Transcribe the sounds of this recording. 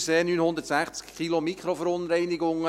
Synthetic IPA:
seːnyːnhʊnd̪ətsæχt͡skʰilomikχɾofəɾʊnɾɛɪnɪɡʊŋə

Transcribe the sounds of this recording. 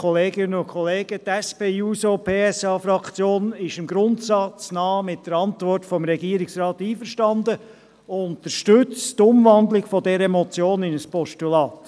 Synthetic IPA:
kʰɔleːɡɪnənʊnkʰχɔleːɡ̥ətɛspeːjuːsopʰeːɛsɑːfɾɑkt͡sjoːnɪʃɪmɡɾʊntsɑt͡snɑːmɪt̚d̥əɾɑntʋɔrtfɔmɾɛɡiəɾɪksɾɑːtiːfəɾʃtɑndə | ʊntəɾʃtʏt͡stʊmʋɑndlɪɡ̥fɔdɛɾəɛmɔt͡sjoːnɪnəspɔʃtulɑːt

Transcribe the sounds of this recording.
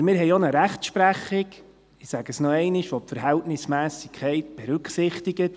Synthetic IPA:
mɪːɾɦɛɪɔnəɾæχtʃpɾæχɪɡ | ɪsæɡəsnɔɛɪnɪʃʋɔp̚tfəɾɦɛltnɪsmæːsikʰɛɪt̚b̥ɛɾʉkχsɪχtiɡət

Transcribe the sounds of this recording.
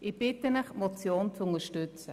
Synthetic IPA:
ɪb̥ɪtənəχmɔt͡sjoːnt͡sʊnəʃtʏt͡sə

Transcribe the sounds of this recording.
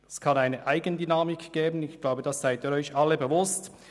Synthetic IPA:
ɛskʰɑnaɪnəʔaɪɡəndynaːmɪkɡ̥ɛːbən̩ɪçɡ̥laʊbəd̥ɑsz̥aɪtiːɾɔʏçʔɑlːəbevʊst

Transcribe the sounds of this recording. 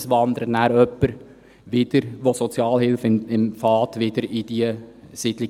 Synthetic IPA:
sʋɑnd̪əɾənæːɾœpːəɾ | ʋɪd̥əɾʋosɔt͡sjɑːlhɪlfɪɪmfɑːtʋɪd̥əɾidiəsɪd̥lɪ

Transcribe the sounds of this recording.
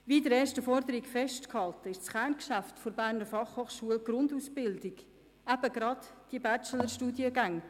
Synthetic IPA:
vidəɾeːʃtəfɔɾdəɾikfɛʃtkhɑltəɪʃt͡sχænkʃæftfoɾbæːɾnəɾfɑχhoːχʃuəlɡ̥ɾʊndusb̥ɪldɪɡ | æb̥əɡɾɑtd̥iəbæt͡ʃələɾʃtuːdjəɡaŋ

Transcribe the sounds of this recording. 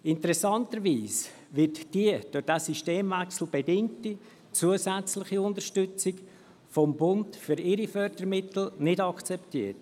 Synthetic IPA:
ɪntəɾɛsɑntəɾʋiːs | ʋɪtd̥iəd̥ʊd̥aːsiʃteːmvæksl̩b̥edɪŋti | t͡suəzæt͡slɪχiʊndəɾʃtʏt͡sɪɡ | fɔmbʊndfʏɾɪɾifœɾd̥əɾmɪtl̩nɪdɑkt͡sɛptḭːət

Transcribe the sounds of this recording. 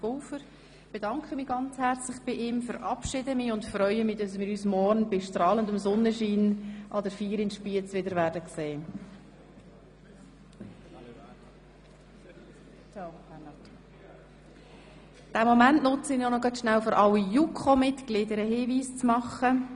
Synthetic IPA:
oːfəɾ | b̥ed̥ɑŋkχəmiːɡɑnt͡shæɾt͡slɪχb̥ɪʔɪmfəɾʔɑpʃɪdəmɪːʊntfɾœʏəmiːdɑsmɪːɾyːsmɔɾnb̥ɪʃtɾɑːləndʊmsɔnəʃiːnʔɑdəɾfiːɾɪntʃpiət͡sʋɪdəɾʋæːɾdəkseː | t͡ʃaʊhɛnɑt | d̥æmɔmæntnʊt͡səɪnjonɔɡɑtʃnælføɾʔɑwijukʰomɪtklɪdəɾəhiːviːst͡smɑχə

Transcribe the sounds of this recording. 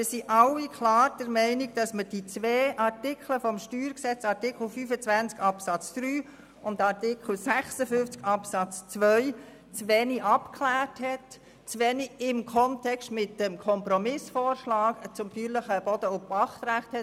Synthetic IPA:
mɪsiʔɑwikʰlɑːɾdəɾmɛɪnɪɡ̚d̥ɑsməd̥it͡sʋeːʔɑɾtɪkʰləfɔmʃtyːɾksɛt͡sɑɾtɪkʰl̩fyfət͡svænt͡skɑpsɑt͡sd̪̥ɾyː | ʊndɑɾtɪkʰl̩sæχsəfʏnft͡skɑpsɑt͡st͡sʋœʏ | t͡sʋɛniʔɑpkʰlæːrthɛt | t͡sʋɛniɪmkʰɔntʰɛkʃtmɪtːəmkʰɔmpɾɔmɪsfɔːɾʃlɑːkt͡sʊmfyːɾləχəb̥ɔd̥̪əʊpɑχt̪ɾæχt̪hɛ

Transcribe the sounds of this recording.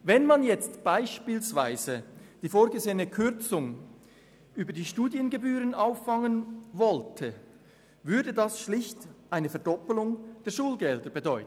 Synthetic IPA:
vɛnmanjɛt͡stb̥aɪʃpiːlsvaɪzəd̥iːfoːɾɡəzeːənəkʰʏʁt͡sʊŋ | ʔyːbɐdiːʃtuːdjənɡebyːʁənʔaʊfːɑŋənvɔltʰə | vʏɐdədɑsʃlɪçtʔaɪnəfɛɐdɔpəlʊŋd̥eːɐʃuːlɡɛldəbedɔʏtn̩

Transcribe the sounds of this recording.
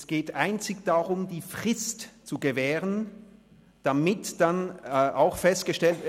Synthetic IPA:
sɡ̥eːtʔaɪnt͡sɪçd̥aʁʊmdiːfʁ̥ɪstt͡suɡəvɛːʁən | d̥amɪtd̥anʔaʊxfɛst̚ɡ̥əʃtɛlt

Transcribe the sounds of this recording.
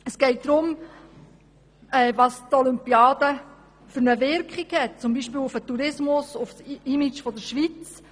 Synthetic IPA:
əsɡ̥ɛɪt̚d̥̪ɾʊm | ɛːvɑst̪ɔlympiɑːd̥̪ə | fʏɾnəvɪɾkχiɡhɛt̚t͡sʊmbiːʃpiːlufətuɾɪsmʊsʊfsimit͡ʃfɔd̪əɾʃʋit͡s

